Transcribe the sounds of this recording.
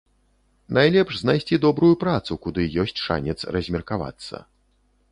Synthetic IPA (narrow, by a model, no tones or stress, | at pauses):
najlʲɛpʂznajsʲt͡sʲid̪ɔbɾujupɾat̪sukud̪ɨjɔsʲt͡sʲʂa̰nʲɛt̪srɐzʲmʲɛrkava̰t̪sːɐ̰